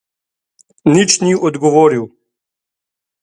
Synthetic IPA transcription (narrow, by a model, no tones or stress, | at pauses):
nit͡ʃniɔd̪ɡɔʋoːɾiw